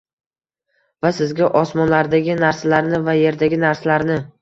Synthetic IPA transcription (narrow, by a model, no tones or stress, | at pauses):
vasɪzɡʲaʔɒsmɒnlaɾd̪aɡʲɪnaɾsalaɾnɪvaje̞ɾd̪aɡʲɪnaɾsalaɾnɪ